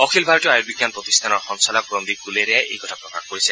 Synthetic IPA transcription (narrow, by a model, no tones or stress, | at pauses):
ɔkʰilbʱaɹɔteajoɾbiɡjanpɹot̪ist̪ʰanɔɹxɔnsalɔk̚ɹond̪ikuleɾɛjajʔḛjkɔtʰapɹɔkaxkoɹisɛ